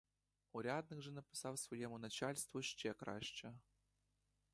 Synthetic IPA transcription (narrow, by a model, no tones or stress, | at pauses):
uɾʲad̪nɨɣʐɨnəpʲɪ̥sɑwsvɔjɛmunat͡ɕalʲst̪vuɕt͡ɕɛkɾa̰ɕt͡ɕə